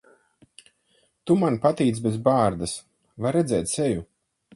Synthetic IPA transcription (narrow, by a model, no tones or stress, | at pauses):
t̪umanpat̪iːt̪sbʲezbaːɾd̪as | vaɾɛd̪zɛːt̪seju